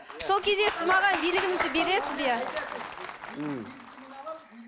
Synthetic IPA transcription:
solˠkʲʰe̞zd̪esɪzmɑʁɑnbijlɪɡʲɪnɪt̪ɪpbeɾesɪzbija

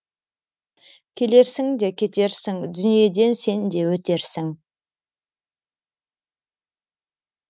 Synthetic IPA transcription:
kʲʰe̞le̞ɾsɪŋd̪e̞kʲʰe̞t̪e̞ɾsɪŋd̪ʏnije̞d̪e̞nse̞nd̪e̞wɵt̪e̞ɾsɪŋ

